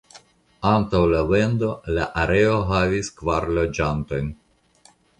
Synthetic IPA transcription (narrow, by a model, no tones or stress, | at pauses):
antawlawendo̞laʔaɾe̞o̞ɦaviskvaɾlo̞d͡ʒanto̞jn